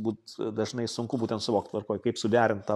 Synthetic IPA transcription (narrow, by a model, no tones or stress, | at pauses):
buːt̪d̪ɐʒnɐɪsʊŋkʊbuːt̪ʲɛnt̪sʊʋoːkt̪ʋɐrkoːjkɐɪpsʊd̪ʲæːɾʲɪnt̪t̪ɑ